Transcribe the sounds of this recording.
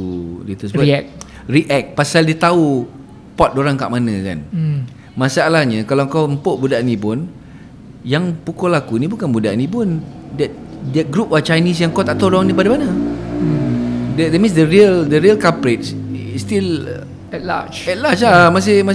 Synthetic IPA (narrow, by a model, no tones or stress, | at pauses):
ulit̪əsək̚ | riʔɛk̪̚pasaldiət̪au | pɔt̪̚doɾaŋkaʔmanə̃ka̰n | masaːlahɲəkalaŋkawəmpoʔbudaʔnĩp̬ʊn | jaŋpukolakunibukanbudaʔnĩp̬ʊndɛt̪̚dɛt̪̚ɡɾup̚at͡ʃajnis̬jaŋkɔt̪aʔt̪aɾɔŋnip̬adamanə | dɛdɛt̚mĩnsdəɾiəldəɾiəlkapɾet͡ʃst̪il | ɛtla̰t͡ʃɛt̚lat͡ʃlamas̬ɪma